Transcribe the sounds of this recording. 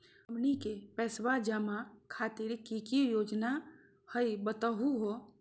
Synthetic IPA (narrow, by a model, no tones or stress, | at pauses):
mnikepɛːswad͡ʒəmakʰaːt̪ɪɾkikijoːd͡ʒna | həibət̪əɦuɦo